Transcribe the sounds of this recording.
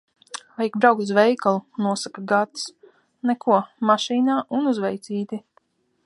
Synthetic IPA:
vajikbɾawk̚t̪uzvɛjkalˠunːuɔsakaɡat̪s | nɛkʰuɔmaʃiːnaːʔunuzvɛjt̪siːt̪i

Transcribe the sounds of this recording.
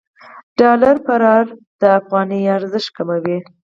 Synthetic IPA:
ɖ̥ɑlaɾpaɾɑɾd̪̥əafɣɑniaɾzəʃt̚kamawi

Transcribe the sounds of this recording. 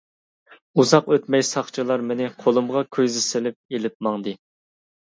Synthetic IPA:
uzɑqøt̪mɛjsɑχt͡ʃʰilˠɑɾmɪnɪqʰolˠumʁɑkʲʰøzɪsɪlɪp̚elɪp̚mɑŋd̪ɨ

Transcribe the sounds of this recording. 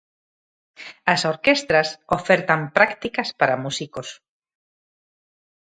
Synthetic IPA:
ɐsoɾkest̪ɾasofeɾt̪ampɾakt̪ikɐspaɾamusikos

